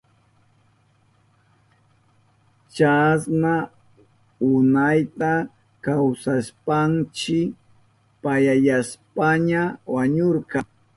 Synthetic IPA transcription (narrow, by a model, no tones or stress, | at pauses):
t͡ʃasna | ʊnajt̪a | kawsaspant͡ʃɪ | pajajaspaɲawaɲoɾqɑ